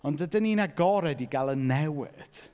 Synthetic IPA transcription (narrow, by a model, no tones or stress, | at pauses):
ɔndədəniːnaɡɔɾɛdiɡalˠənːɛwɪ̰d̥